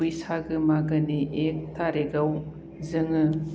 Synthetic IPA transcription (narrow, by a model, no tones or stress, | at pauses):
ujsaɡɯmaɡɯniʔek̚tʰaɾeɡaw | zɯŋɯ